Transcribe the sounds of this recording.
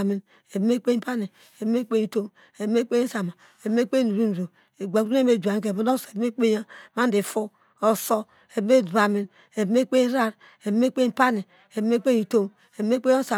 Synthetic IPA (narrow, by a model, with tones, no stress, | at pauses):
mi˨n | e˨bme˦k͡pe˦pa˦ni˨ | e˨bme˦k͡pe˦i˨to˦m | e˨bme˦k͡pe˦sa˨ma˨ | e˨bme˦k͡pe˦nu˨ɾu˦n˨ɾo˨ | e˨ɡa˨˦u˦e˦me˦˨d͡ʒu˨a˨n˦k̬e˨bo˨˦do˦se˨bme˦k͡pe˦ja˦ma˦n˦di˨fu˦ | o˨so˦ | e˨bme˦dba˨mi˦n | e˨bme˦k͡pe˦ɾa˦˨ɾ | e˨bme˦k͡pe˦pa˦ni˨ | e˨bme˦k͡pe˦i˨to˦m | e˨bme˦k͡pe˦o˦sa˨